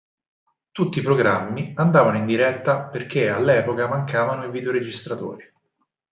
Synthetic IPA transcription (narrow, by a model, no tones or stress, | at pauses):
t̪ut̪ːiːpɾoɡɾamːiand̪aːvanoind̪iɾɛt̪ːaperk̟ea̰lːɛːpokamaŋkaːvanoiviːd̪eoɾed͡ʒist̪ɾat̪o̰ːɾi